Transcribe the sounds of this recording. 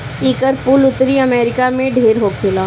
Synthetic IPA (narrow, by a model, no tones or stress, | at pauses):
iːkəɾpuːlʊt̪ɾiɐmeːɾɪkamẽɖʱeːɾɦokʰelaː